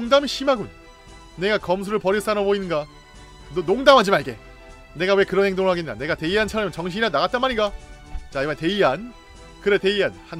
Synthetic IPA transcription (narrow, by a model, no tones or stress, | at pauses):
ŋdamiɕʰimaɡun | ne̞ɡakʌms̬ʰuɾɯɭpʌɾis͈anʌboinːɯnɡa | nonoŋdamɦad͡ʑimaɭɡe̞ | ne̞ɡawe̞kɯɾʌnheŋdoŋɯɭɦaɡenda̰ne̞ɡate̞iɦant͡ɕʰaɾʌmɯnt͡ɕʌŋɕʰiianaɡat̚t͈anmaɾiɡat͡ɕaimante̞iɦan | kɯɾe̞te̞iɦanhan